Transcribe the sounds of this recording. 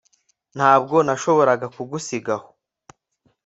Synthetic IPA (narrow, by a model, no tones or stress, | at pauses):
n̥haːb̚ɡo̞naʃo̞βo̞ɾaɡakuɡusiɡaho̥